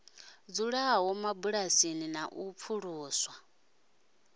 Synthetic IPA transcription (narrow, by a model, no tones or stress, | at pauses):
d͡zuɺaɦɔmabuɺasininaʔup̪fʰuɺuːswa